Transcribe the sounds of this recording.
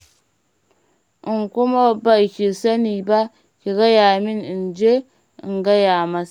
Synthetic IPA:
ʔi˨ŋku˦ma˦ba˨kʲi˨sa˦niː˨ba˦ | ki˨ɡa˦ja˨mi˦ni˨nd͡ʒḛ˦˨ | ŋɡa˦ja˨ma˦s

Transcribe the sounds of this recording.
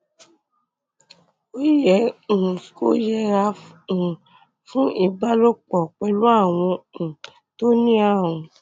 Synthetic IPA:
o˦jɛ̃˨˦˨ | ko˦jɛ˧ɾa˧˨ | fũ˦i˦˨ba˦lo˦k͡pɔ˨k͡pɛ˧lu˦a˦˨w̃ɔ̃˧ũ˨ | to˦nĩ˦a˦˨ũ˨˧

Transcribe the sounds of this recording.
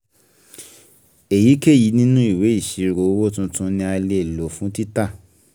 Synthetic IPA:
e˨ji˨˦ke˦˨ji˨˦nĩ˦nũ˦i˦˨we˨˦i˦˨ʃi˨˦ɾo˨˦wo˦tũ˧tũ˦nĩ˧a˧le˧e˨lo˨fũ˨˦ti˦ta˦˨

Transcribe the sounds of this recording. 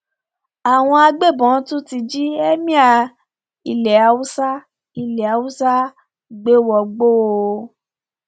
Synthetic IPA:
a˨w̃ɔ̃˧a˧ɡ͡be˦˨bɔ̃˨˦tu˦ti˧d͡ʒi˦ɛ˦mĩ˦a˧ | i˨lɛ˨a˨˦wu˦sa˦ | i˨lɛ˨a˨wu˦sa˦˨ | ɡ͡be˦wɔ˨ɡ͡bo˦˧

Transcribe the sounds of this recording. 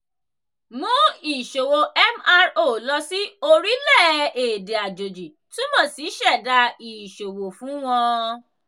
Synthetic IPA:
mũ˨˦i˨ʃo˨wo˨ʔɛ˦ma˧ɾo˦˨lɔ˧si˦o˧ɾi˦lɛ˦˨e˨de˨a˨d͡ʒo˨d͡ʒi˨ | tũ˦mɔ̃˦˨si˨˦ʃɛ˦˨da˧i˨ʃo˨wo˨fũ˨˦w̃ɔ̃˧

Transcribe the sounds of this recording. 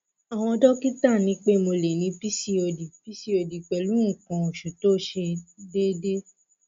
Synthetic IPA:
a˨w̃ɔ̃˧dɔ˦ki˦ta˦˨nĩ˨˦k͡pe˦mo˧le˨nĩ˨˧˦pi˦si˦o˧di˨pi˦si˦o˧di˨k͡pɛ˨lu˨˦ũ˦˨kã˧o˨ʃu˨to˦ʃe˧de˦de˦

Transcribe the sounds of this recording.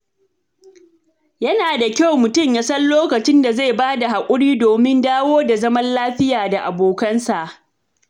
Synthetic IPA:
jɐ˦naː˨da˨kʲa˦wmʊ˨tʊ˦˨mjaː˦sɐ˦nloː˦kɐ˨t͡ʃɪ˦nda˨za˦˨baː˦da˨ɦa˨kʷʼʊ˦ɽiː˦doː˨mɪ˦ndaː˦woː˦da˨zɐ˦mɐ˦nlaː˦ɸɪ˦jaː˨da˨ʔa˨boː˨kɐ˦nsa˨ʔ

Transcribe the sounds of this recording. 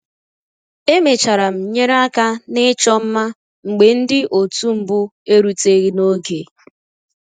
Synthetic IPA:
e˦me˨t͡ʃa˨ɾa˨m̩˨ɲe˦ɾa˦ka˦nɪ˦t͡ʃɔ˦m̩˦ma˦ | ŋ͡m̩˨ɡ͡be˨n̩˦dɪ˦ʔo˨tu˦m̩˦bʊ˦e˦ɾu˨te˦ɣi˦no˦ɡe˨

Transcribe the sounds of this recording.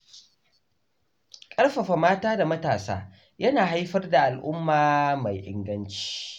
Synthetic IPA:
kʼɐ˦rɸɐ˨ɸa˨maː˦taː˦da˨mɐ˦taː˨sa̰ː˦ | jɐ˦naː˨ɦa˦jɸɐ˦rda˨ʔa˨lʔʊ˦mːaː˨ma˨jʔɪ̰˦ŋɡɐ˦nt͡ʃi̥ː˦

